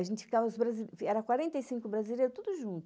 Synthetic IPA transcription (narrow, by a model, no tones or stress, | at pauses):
aʒẽnt͡ʃɪ̥fikavɐʊsbɾaziɛɾɐkwaɾẽnt̪ejsĩŋkʊbɾazileɾʊt̪ud̪ʊʒũnt̪ʊ